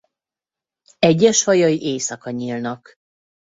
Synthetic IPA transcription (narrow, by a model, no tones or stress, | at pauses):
ɛɟːɛʃhɒjɒiʔeːsɒkɒɲilnɒk